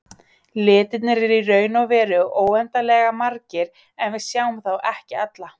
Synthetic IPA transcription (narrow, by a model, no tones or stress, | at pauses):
lɪːt̪ɪt̪nɪɾɛɾirœːɥnavɛːɾʏoːwɛnt̪alɛːɣamaɾcɪɾ | ɛnvɪsjaːwmθawʔɛhcɪat̪la